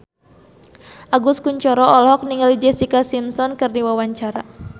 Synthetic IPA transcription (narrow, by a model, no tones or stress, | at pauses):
ʔaɡuskuɲt͡ʃɔɾɔɔlhɔk̚niŋalid͡ʒɛsikasimsɔnkɨrdiwawaɲt͡ʃaɾa̰